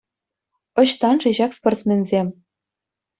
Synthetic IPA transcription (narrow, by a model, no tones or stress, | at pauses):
ɤ̆ɕt̪ɑnʐiʑɑksport̪t͡smʲĕnzʲemʲ